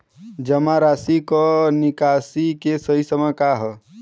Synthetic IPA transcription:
d͡ʒəmaɾasikɔnikasikesəɦisəməkaɦə

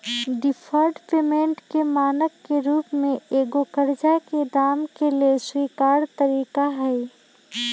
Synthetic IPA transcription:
ɖɪpʰəɾɖpeːmẽːɳʈkemaːnəkːeɾuːpmẽeːɡokəɾd͡ʒaked̪aːmkelieswiːkaːɾt̪əɾiːkaɦɛː

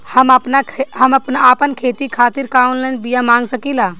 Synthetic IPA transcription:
həməpnaɦəmɐpnaaːpənkʰeːt̪ikʰaːt̪iɾkaunlənbijamãːŋɡsəkilaː

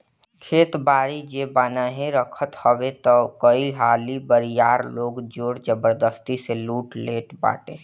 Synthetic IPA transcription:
kʰeːt̪baːɾid͡ʒeːbanaɦẽɾəkʰət̪həbet̪ɔkəiɦaːlibəɾijaːɾloːɡd͡ʒoːɾd͡ʒəbəɾd̪əst̪iseluːʈleːʈba̰ːʈẽː

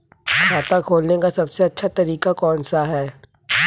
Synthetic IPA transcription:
saːt̪ãkʰoːlnekasɐbseɐtːʃʰat̪ɐɾiːkakɔːnsaɦɛː

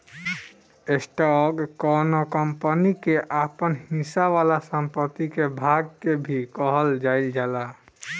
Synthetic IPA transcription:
esʈɔɡkɔnokəmpənikeʔapənɦĩsaʋalasəmpət̪ːikebʱaɡ̚kebʱikəɦəld͡ʒaild͡ʒala

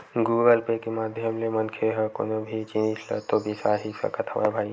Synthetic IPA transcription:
ɡuːɡəlpekemaːd̪ʱjəmlemənkʰeɦəko̰nobʱit͡ʃinit͡ʃʰlə̰t̪obʱisaːɦisə̰kət̪ʰa̰ʋa̰jbʱaːi

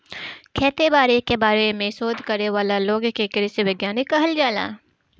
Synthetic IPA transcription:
kʰɛːt̪ebaːɾekebaːɾemẽsoːd̪ʱkɐɾneʋaːlaloːɡkekɪɾɪseʋɪɡjaːnɪkːɐɦəld͡ʒaːla̰ː

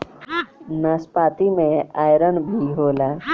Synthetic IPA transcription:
naːspaːt̪imẽaːjɾənbʱiɦoːlaː

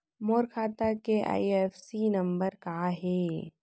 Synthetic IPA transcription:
moːɾkʰaːt̪akeʔa̰ːiefsinɐ̃mbəɾkaːɦɛː

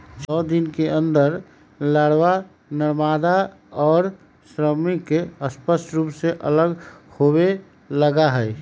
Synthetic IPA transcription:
t͡ʃɔːd̪inkeə̃nd̪əɾ | ləɽwa | nəɾmad̪a | ɔːɾ | sɾəmikːeəspəsʈɾuːpseʔələɡhobe | ləɡaɦəɪ

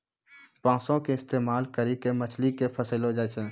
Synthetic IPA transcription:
pãːsõkeɪst̪eːmaːlkəɾikemət͡ʃʰlikepʰəsəlod͡ʒat͡ʃʰẽː

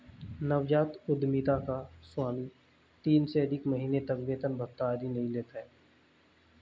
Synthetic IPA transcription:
nɐʋd͡ʒaːt̪ʊd̪mit̪akaswaːmi | t̪iːnsed̪ɪkməɦiːnet̪ɐkbeːt̪ənbət̪aːɾinɐɦĩleːt̪aɦɛː

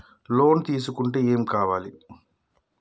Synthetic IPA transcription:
lo̞ːnt̪iːs̬ukuɳʈeːeːmkaːʋaːli

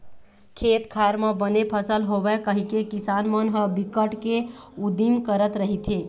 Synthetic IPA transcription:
kʰeːt̪kʰaɾmə̃bənepʰəsəlɦoʋekəɦikekisaːnmənɦəbikəʈke | ud̪imkəɾət̪ɾəɦit̪ʰe

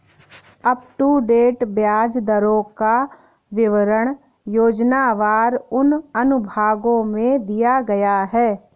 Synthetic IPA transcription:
ɐpʈuɖeːʈbjaːd͡ʒd̪əɾõka | ʋɪʋəɾəɽ̃ | joːd͡ʒnaʋaːɾʊnɐnʊbʱaːɡõmẽd̪ijaɡɐjaɦɛː

